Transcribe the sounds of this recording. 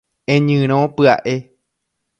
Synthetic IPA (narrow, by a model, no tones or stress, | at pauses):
ẽɲɨ̃ɾ̃õpɨa̰ʔe